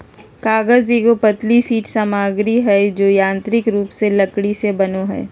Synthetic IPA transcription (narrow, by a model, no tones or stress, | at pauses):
kaːɡəzeːkopɐt̪lisiːʈsaːmaːɡɾiɦɛd͡ʒoːjãːnt̪ɾɪkɾuːpselɐkɽisebɐnoɦɛ̰ː